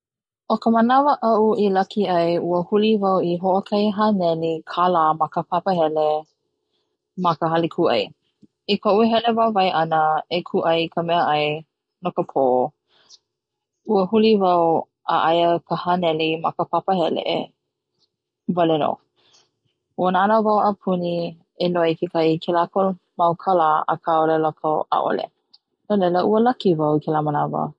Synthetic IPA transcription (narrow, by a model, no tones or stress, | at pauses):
ʔokəmənavəʔɐʔuilɐkʰiɐjuəhulivɐwiɦoʔokʰajɦanɛlikʰalaːmakəpʰapəhɛle | mɐkəɦalikʰuʔɐ̰j | ikʰoʔuɦɛlevawvajʔɐnəekʰuʔɐjkʰəmɛəʔɐj | nokəpʰo | uəhulivɐw | a̰ʔajəkʰəhanɛlimɐkəpapəhɛlḛʔḛ | vɐlɛno̰ | uənaanavawʔapʰuni | eloikʰekʰaikʰelako | mawkʰalaə̰kʰaolɛlakʰawʔa̰ʔo̰lḛ | nolɛləʔuəlɐkivawkʰɛlamənavə̰